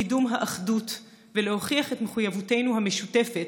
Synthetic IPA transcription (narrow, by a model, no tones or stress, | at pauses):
idumɦaʔaχdut | veleho̞χiaχetme̞χujavute̞jnuhame̞ʃute̞fet